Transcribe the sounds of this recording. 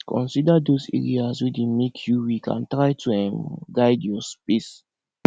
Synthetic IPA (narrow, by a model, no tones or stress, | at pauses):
kʰɔ̰̃nsidadosɛ̰ɹiaswidemekʰjuwikʰã̰ntɹajtʰuɛ̃mɡaɪdjɔspis